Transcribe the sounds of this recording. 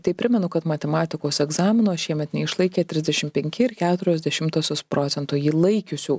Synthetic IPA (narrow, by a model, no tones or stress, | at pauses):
t̪ɐɪpʲɾʲɪmʲɛnʊkɐt̪mɐt̪ʲɛmɑːt̪ʲɪkoːsɛɡzɑːmʲɪnoːʃʲiɛmʲɛt̪nʲɛɪʃlˠɐɪkʲeːt̪ʲɾʲɪzʲd̪ʲɛʃʲɪmpʲɛŋʲkʲɪɪɾkʲæːt̪ʊɾʲɛzʲd̪ʲɛʃʲɪmt̪oːsʲoːspɾoːt̪sʲɛnt̪ujiːlˠɐɪkʲʊsʲuː